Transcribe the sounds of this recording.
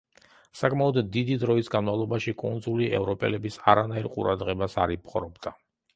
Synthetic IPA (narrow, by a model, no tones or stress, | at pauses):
sakʼmaɔd̪ːid̪id̪ɾɔisɡanmavlˠɔbaʃikʼund̪zuliɛ̰vɾɔpʼɛ̰lɛbisaɾanaiɾqʼṵɾad̪ʁɛbasaɾipʰχʼɾɔbd̪a